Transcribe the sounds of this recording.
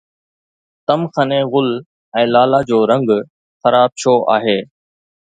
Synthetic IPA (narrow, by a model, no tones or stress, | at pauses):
t̪əmxʰəneːɣʊl | ɛ̃ːlaːlaːd͡ʑoːɾə̃ŋɡ | xəɾaːb̚ʃoːʔa̰ːɦeː